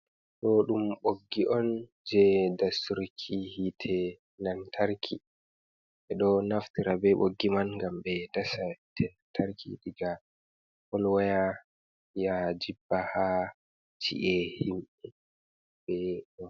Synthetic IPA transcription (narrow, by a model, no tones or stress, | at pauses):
ɗɔɗumɓoɡːiʔɔn | d͡ʒɛdasuɾkʰihitʰɛ | nantʰaɾkʰi | ʔɛɗɔnaftiɾabɛɓoɡːimanŋɡambɛdasatʰɛnatʰaɾkʰḭɗiɡa | hɔlwaja | jad͡ʒibːaha | t͡ʃḭʔɛhimɓɛ | bɛɗɔ